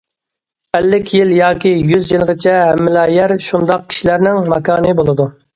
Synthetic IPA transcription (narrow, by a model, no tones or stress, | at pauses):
ɛlːɪkʲʰjiljɑːkʲijyzjilˠʁɪt͡ʃʰɛɦɛmːɪlɑːjɛɾʃund̪ɑq̚kʲʰi̥ʃilæɾnɪŋmɑkɑːnɨbolˠɨd̪u